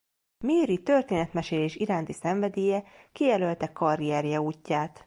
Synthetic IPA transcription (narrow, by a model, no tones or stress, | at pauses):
meːɾit̪ørt̪eːnɛt̪mɛʃeːleːʃiɾaːnt̪isɛɱvɛd̪eːjɛkijɛlølt̪ɛkːɒɾiɛɾjɛuːcːaːt̪